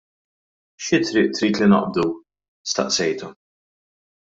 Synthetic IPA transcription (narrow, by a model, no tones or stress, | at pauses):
ʃɪt̪ɾɪːʔt̪ɾiːt̪lɪnɐ̰ʔb̚d̪u | st̪ɐ̰ʔsɛjt̪u